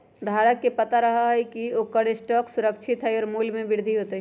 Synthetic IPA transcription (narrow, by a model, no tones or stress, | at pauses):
d̪ʱaːɾəkːepɐt̪aɾɐɦaɦɛkiokəɽesʈɔːksʊɾəkt͡ʃʰɪt̪ɦɛɔːɾmuːlmẽbɪɾd̪ʱiɦoːt̪e